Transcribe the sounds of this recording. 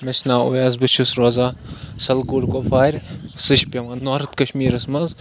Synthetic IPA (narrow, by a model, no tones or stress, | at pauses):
mɐt͡ʃʰnaːṵjazbɨt͡ʃʰusɾoːzasɐlɡuɽkofaːɾʲsɨʃpʲemɐnoɾɨt̪kɐʃmiːɾɐsmɐz